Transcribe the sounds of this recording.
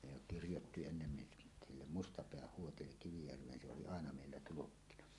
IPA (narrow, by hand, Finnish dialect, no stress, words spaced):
ne jo kirjotːi enːen niʔ silːem mustɑpeæh huotilːek kiʋijærʋˑeːn se oli ɑˑenɑ meˑilːæ tulukːinɑ